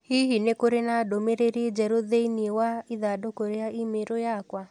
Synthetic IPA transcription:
hiɦinekoɾenadomeɾeɾid͡ʒɛɾoðeiniwaiðadokoɾeaʔimeɾojakwa

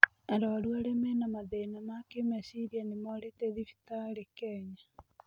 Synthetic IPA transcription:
ɛɾɔɾwaɾɛmɛnamaðenamakemɛsiɾianemɔɾetɛðifi̥taɾekɛːɲa

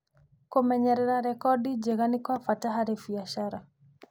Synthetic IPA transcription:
komɛɲɛɾɛɾaɾɛkɔdid͡ʒɛɣanikwafataɦaɾifiaʃaɾa

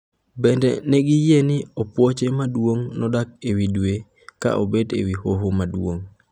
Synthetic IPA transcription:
bɛndɛ̰nɛɡɪjenɪopwot͡ʃemadwoŋnɔdak̚ewidwe | ka̰ʔobedḛwihoɦomadwoŋ

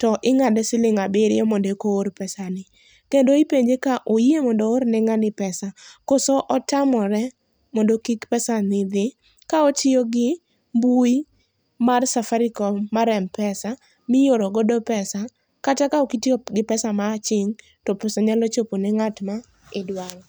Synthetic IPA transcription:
tɔʔɪŋadɛsɪlɪŋabɪɾɪjɔmɔdekoːɾpɛsanɪ | kendoipeɲd͡ʒekaʔojiemɔndooɾnɛŋanɪpɛsakosɔʔɔtamɔɾɛ | mɔndokikpɛsanɪd̪ɪ | kaɔt͡ʃɪɔɡɪ | mbui | marsafaɾikɔmaɾɛmpɛsa | mɪjoɾoɡɔdɔpɛsa | katakaokitioɡɪpɛsamat͡ʃɪŋ | tɔpɛsaɲalɔt͡ʃoponɛŋatma | ɪdwaŋɔ

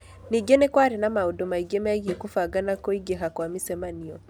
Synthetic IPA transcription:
niɡɛnɛkwaɾɛnamaudɔmaiɡɛmɛaɣiɛkufaɡanakɔiɡɛɦakwamisɛmaniɔ

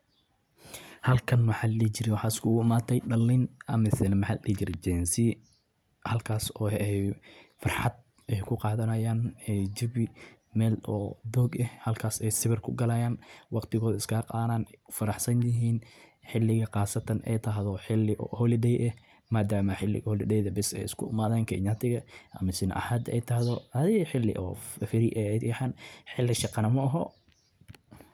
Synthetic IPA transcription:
hɐlkʰɐnwɐħaːlliːt͡ʃɪɾɛwɑħɑːɪskʰʊɣʊɪmaːt̪ʰɛjɖɐlːɪnʔɐmɪsɛnɐmɐħa̰lʔḭːt͡ʃɪɾɛd͡ʒɛnsi | hɐlkʰaːsɔːɛɛjfɑrħɑd̪̚ | ɛjkʰʊqɑːðɐnɐjaːnɛd͡ʒɪβɪmɛːlɔ̰ːd̪ɔːɡɛhhɐlkʰaːsɛjsɪβɪrkʰʊɡɐlɐjaːnwɑqt̪ʰɪɣɔːðɐɪskʰɐqɑːnaːnfɐɾɑħsɐnjɪɦiːnħɪlːɪɣɐqɑːsɐt̪ʰɐnʔɛ̰jt̪ʰɐɦðɔħɪlːɪʔɔhɔlɪɖɛjʔɛ | maːd̪aːmɐħɪlːɪ̰ɣɐhɔlɪdɛjðɐbɪsɛ̰jɪskʰʊɪmaːðaːŋkʰɛ̰ɲɐt̪ʰɪɣɐʔɐmɐsɪnʔɐ̰haːd̪ɛ̰jt̪ʰɐɦðɔɐðɪɣħɪlːɪ̰ʔɔ̰ːfɪɾɪʔɛɛħanħɪlːɪʃɑqɑnɐmɐʔɐɦɔ

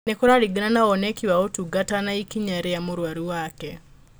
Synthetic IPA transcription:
nekoɾaɾiɡinanaɔnekiwaotuɡatanaikiɲaɾejamoɾwaɾiwakɛ

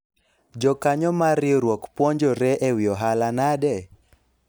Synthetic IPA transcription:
d͡ʒɔkaɲɔmaɾɪɾwɔkpwɔɲd͡ʒɔɾɛʔɛwɪɔɦalanadɛ

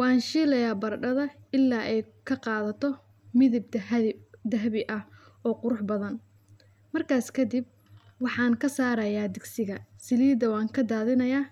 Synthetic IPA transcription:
wɑːnʃiːlɐjaːbɐrɖɐðɐɪlːaːʔɛjkʰɐqɑːðɐt̪ʰɔ | mɪðɪb̪̚d̪ɐɦβɪʔɐh | ɔːqʊɾʊħbɐðɐn | mɐrkʰaːskʰɐd̪ɪb̚ | wɑħɑːŋkʰɐsaːɾɐjaːd̪ɪɡsɪɣɐsɪliːd̪ɐwɑːŋkʰɐd̪aːðɪnɐjaː

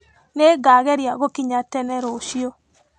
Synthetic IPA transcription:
neːɡaɣɛɾijaɣokiɲatɛnɛɾoːʃio

